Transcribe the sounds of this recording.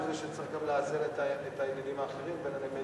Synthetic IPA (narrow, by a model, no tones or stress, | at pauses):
zeʃet͡sʁiχɡamleazeletaetajelidimaːχeʁimbeneneme